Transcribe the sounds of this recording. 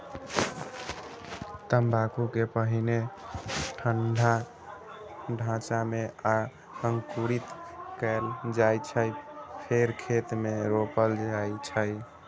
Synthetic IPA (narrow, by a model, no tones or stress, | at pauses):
t̪əmbʱakukepəɦine | ʈʰənɖʱa | ɖʱãt͡ʃamea | səŋkuɾit̪kəld͡ʒajt͡ʃʰəjpʰeɾkʰet̪meɾopəld͡ʒajt͡ʃʰəj